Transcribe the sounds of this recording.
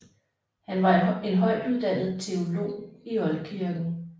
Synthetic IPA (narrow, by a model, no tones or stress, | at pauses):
hænʋɑ̈e̝nɦɒ̽ɪ̰d̥uðˠd̥æn̰ð̞̩ˠt͡sʰe̝o̝lo̝̰ːiɒ̽lkʰiɐɡ̥n̩